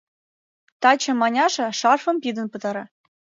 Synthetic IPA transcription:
t̪ɑt͡ɕɤ̆mɑnʲɑʃɤ̆ʃɑrfɤ̆mpid̪ə̆npɤ̆t̪ɑɾɑ

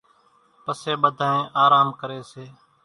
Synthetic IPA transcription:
pəseːɓəd̪ʱaːẽːʔaːɾaːmkəɾeːseː

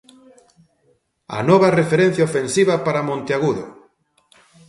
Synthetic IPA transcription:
ɐ̰nɔβɐrefeɾen̟θjaofensiβɐpaɾamõnt̪eaɣuðʊ̰

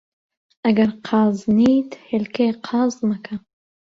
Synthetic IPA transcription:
ɐɡɐɾqʰɑːznid̪helkeqʰɑːzmakʰa

